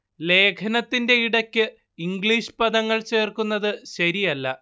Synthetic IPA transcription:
le̞ːkʰɐnɐt̪ːinde̞iɽɐkʲːɨ | iŋɡɭiːʂpɐðɐŋːɐɭt͡ɕe̞ːrkunːɐðɨɕɐɾijɐlːɐ̰

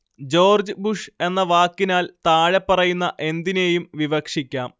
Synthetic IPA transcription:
d͡ʑo̞ːrd͡ʑɨbuʂe̞nːɐʋaːkːinaːlt̪aːɻepːɐrɐjunːɐʔe̞nd̪ine̞jumʋiʋɐkʂikʲːaːm

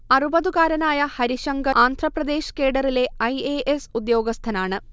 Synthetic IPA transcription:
ɐrubɐðuɣaːɾɐnaːjɐhɐɾiɕɐŋɡɐaːnd̪ʱrɐprɐd̪e̞ːɕke̞ːɽɐrile̞ɐjeːʔesud̪jo̞ːɡɐst̪ʰɐnaːɳɨ

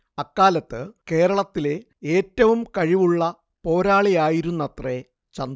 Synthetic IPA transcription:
ɐkːaːlɐt̪ːɨke̞ːɾɐɭɐt̪ːile̞ | eːtːɐʋumkɐɻiʋuɭːɐ | po̞ːɾaːɭijaːjiɾunːɐt̪re | t͡ɕɐnd̪

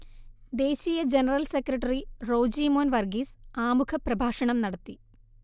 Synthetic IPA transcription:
d̪e̞ːɕijɐd͡ʑenɐrɐlsekrɐʈːɐriro̞ːd͡ʑiːmoːnʋɐrɡiːsaːmukʰɐprɐbʱaːʂɐɳɐmnɐɽɐt̪ːi

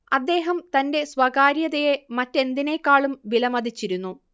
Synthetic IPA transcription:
ɐd̪ːe̞ːɦɐmt̪ɐnde̞swɐɡaːɾjɐðɐjemɐtːe̞nd̪inekːaːɭumʋilɐmɐd̪it͡ɕːiɾunːu

